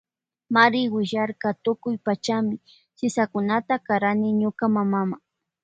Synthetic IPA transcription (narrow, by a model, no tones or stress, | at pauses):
maɾɪwɪʒaɾkat̪ʊkʊjpat͡ʃamɪ | sɪsakʊnat̪akaɾanɪɲʊkamamamaŋ